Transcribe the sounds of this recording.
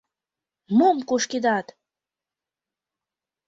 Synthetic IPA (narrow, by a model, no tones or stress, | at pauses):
momkoʃked̪ɑt̪